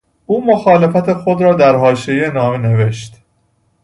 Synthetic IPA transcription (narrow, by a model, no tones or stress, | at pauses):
ʔuːmoxɒːle̞fæt̪ʰe̞xod̪ɾɒːd̪æɾɦɒːʃejenɒːmene̞ve̞ʃt̪